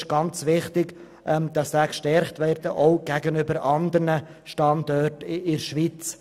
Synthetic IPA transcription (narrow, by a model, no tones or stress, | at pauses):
ʃɡ̥ɑnt͡sʋɪχtɪɡ | ʔɛmd̥ɑsd̥aːkʃtɛɾχtʋɛːɾd̥əʔɔʊɡ̥æɡənʏbəɾɑndərnə | ʃtɑndɔtɪɪɾʃʋit͡s